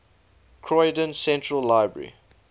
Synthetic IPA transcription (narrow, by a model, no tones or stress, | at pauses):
kʰɹɔɪdə̃nsɛ̃ntɹəlːaɪbɹə̰ɹḭ